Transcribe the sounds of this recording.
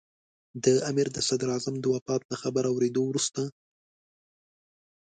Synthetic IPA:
d̪əamiɾd̪əsad̪ɾɑzamd̪əwafɑt̪̚laxabaɾawɾed̪owɾust̪a

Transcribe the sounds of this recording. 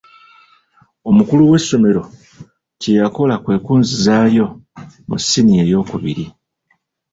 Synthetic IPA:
o̞mukuluwe̞sːo̞me̞ɾo̞ | cejako̞lakwe̞ːkuːnzizaːjo̞mṵsːinie̞jo̞ːkuβḭɾi

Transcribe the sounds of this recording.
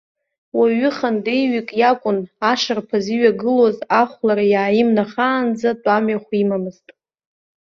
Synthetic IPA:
waɥʏχandejɥikʼjakʷʼʊnaʂarpʰaziɥaɡɨlozaχʷlaɾajaːɪmnaχaːnd͡zadʼamɥaχʷimamɨztʼ

